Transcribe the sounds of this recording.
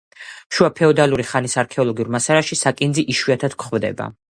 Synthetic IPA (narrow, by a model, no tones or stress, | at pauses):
ʃuapʰɛɔd̪aluɾiχanisaɾkʰɛɔlˠɔɡiuɾmasaɾaʃisakʼind̪ziʔiʃwiat̪ʰad̪̥kʰχvd̪ɛ̰ba̰